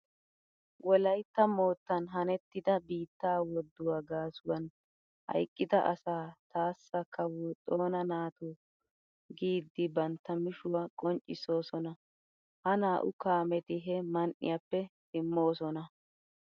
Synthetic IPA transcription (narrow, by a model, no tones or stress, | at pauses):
wʔɔlɐjt̪ːɐmo̞ːt̪ːɐnɦɐnɛt̪ːɪd̪ɐbiːt̪ːaːwɔd̪ːʊwaːɡaːsʊwɐn | hɐ̰jkʼːɪd̪ɐʔɐsaːt̪aːsːɐkːɐwɔt̪ʼo̞ːnɐnaːt̪u | ɡiːd̪ːɪbɐnt̪ːɐmɪʃʊwɐkʼɔnt͡ʃʼːɪso̞ːsɔnɐ | hɐnaːʔʊkaːmɛt̪ɪɦɛmɐnʔɪ̰japːɛsɪmːo̞ːsɔnɐ